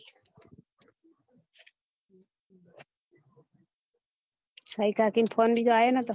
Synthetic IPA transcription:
sʰaikakinpʰɔnbʱid͡ʒajenat̪ɔ

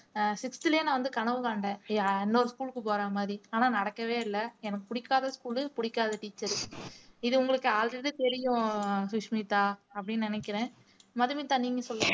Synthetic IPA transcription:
sɪkst̪ɪljeːnãːʋɐnd̪ɯkɐɳɐʋɯkaːɳɖẽːɛnːoːɾɯskuːɭkːɯpoːɾaːmaːðɾiaːnaːnɐɽɐkːɐʋeːɪlːɐɛnɐkːɯpʊɽɪkːaːðɐskuːɭɯpʊɽɪkːaːðɐʈiːt͡ʃːɐɾ | ɪðɯʊŋɡɐɭɯkːɯaːlɾɛɽit̪ɛɾɪjʊ̃sʊʂmit̪ːaːɐpːɐɽɪnːnɪnɛkːɪɾẽː | mɐðɯmit̪ːaːniːŋɡɐsɔlːɐ

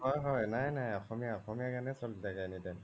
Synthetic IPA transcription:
ɦɔjɦɔjnajnajɔxɔmijaɔxɔmijakanɛsɔldaɡajnidɛn

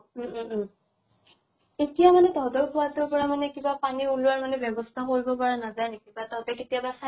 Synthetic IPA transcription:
etijamanɛdʱɔdɔɹkʰʊwatʊɹpɔɹamanɛkibapaniulʊaɹmanɛbjɛbɔstʰakoɹibɔpaɹanazajnekibatatɛketijabasa

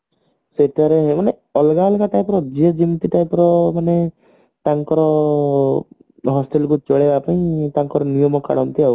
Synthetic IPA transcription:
set̪iaɾeɦemane | ɔlɡaɔlɡaʈajpɔɾɔd͡ʒiɔd͡ʒimt̪iʈajpɔɾɔmane | t̪aŋkɔɾɔ | ɦɔsʈelkut͡ʃɔɭebapaĩt̪aŋkɔɾɔnijɔmɔka̰ɽɔnt̪iau

